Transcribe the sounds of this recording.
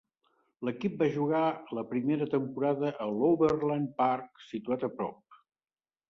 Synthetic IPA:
ləkip̚baʒuɣ̞aləpɾimeɾət̪əmpuɾaðəʔəloβərlanparksit̪uat̪əpɾɔ̰p̚

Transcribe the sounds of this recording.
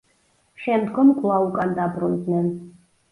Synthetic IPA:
ʃɛmd̪ɡɔmɡʼlˠaukʼand̪abɾund̪nɛn

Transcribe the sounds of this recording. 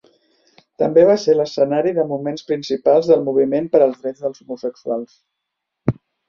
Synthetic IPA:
t̪əmbeβ̞aseɾləsənaɾiðəmumenspɾinsipalˠzðəlˠmuβ̞imenpəɾəlˠdɾɛd͡zðəlˠzumusəksualˠs

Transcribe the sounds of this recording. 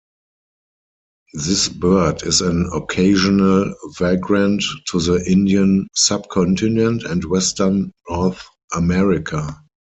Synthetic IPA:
ðɪsbɜ˞dɪsæ̃nɔkʰeɪʒɔnəlvɛɡɹãnttʰːuðəʔɪ̃ndiə̃nsab̚kʰɔ̃ntʰɪ̃nɛ̃ntɛ̃ntwɛstə˞nːɔɹθ | ʔəmɛɹɪkʰa

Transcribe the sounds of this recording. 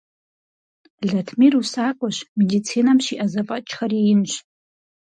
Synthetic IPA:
ɮatʰmirusakʷʼʊʃʷmedit͡sʰinamʃiʔazapʼat͡ʃʰχariːnʃʷ

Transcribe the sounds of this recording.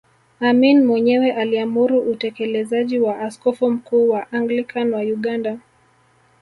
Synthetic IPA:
aminmwɛɲɛwɛʔaliamuɾuʔutɛkɛlɛzaʄiwaʔaskɔfum̩kuːwaʔaŋɡlikanwajuɠanda

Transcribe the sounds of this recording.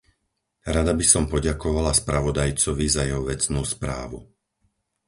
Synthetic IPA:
ɾad̪abisɔmpɔɟakɔʋalaspɾaʋɔd̪ajt͡sɔʋizajɛɦɔʋɛt͡snuːspɾa̰ːʋu

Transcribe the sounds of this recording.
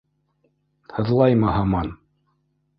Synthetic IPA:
hɤ̆ðlˠɑjmɤɦɑmɑn

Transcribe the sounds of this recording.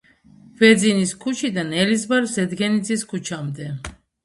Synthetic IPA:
vɛd̪ziniskʰut͡ʃʰid̪anɛlizbaɾsɛd̪ɡɛnid̪ziskʰut͡ʃʰamd̪ɛ

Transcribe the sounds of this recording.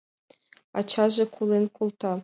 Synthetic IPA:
ɑ̰t͡ɕʰɑʒɘ̆kʰulˠenkulˠt̪ɑ

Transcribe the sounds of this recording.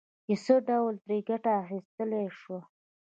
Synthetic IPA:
jesəɖawlt̪ɾeɡaʈaːxist̪əleʂwa

